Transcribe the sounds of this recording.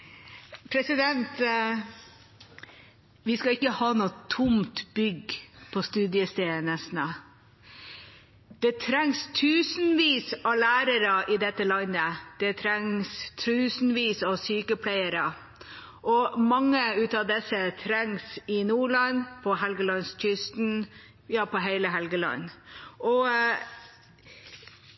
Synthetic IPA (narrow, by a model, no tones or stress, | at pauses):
pʰɾɛsɪd̪ɛnt̪ | ʋɪskɑɪkːəhɑːnuːt̪ʰʊmt̪bʏɡpʰɔst̪ʉːd̪ɪəst̪eːnəsnə | d̪̥ɛt̪ʰɾɛŋst̪ʰʉːsnʋiːsɑlæːɾəɾəʔɪd̪ɛt̪ːəlɑnəd̪̥ɛt̪ʰɾɛŋst̪ʰʉːsn̩ʋiːsɑʋsyːkəpʰlæɪəɾə | ʔɔmɑŋːəʉːt̪ɑʋd̪ɛsət̪ʰɾɛŋsɪnuːɭɑnpʰɔɦɛlɡəlɑnsc͡çʏst̪n | jɑːpɔɦæɪləɦɛlɡəlɑ̰nːʔɔ